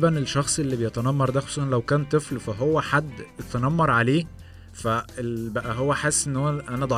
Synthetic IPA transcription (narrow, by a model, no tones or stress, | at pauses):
bænelʃːɑxsˤʔelːibejet̪ænɑmːɑɾˤd̪æxsohnlæwkæːnt̪ˤeflfæɦowːæħad̪ːet̪ænɑmːɑɾˤʕaleː | fæelbæʔæɦowːæħesːʔenːhowːæʔænæd̪ˤɑ